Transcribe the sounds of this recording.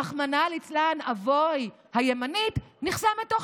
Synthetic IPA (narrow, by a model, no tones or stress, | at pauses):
aχmanalit͡slanavoj | hajemanitniχsametːoχ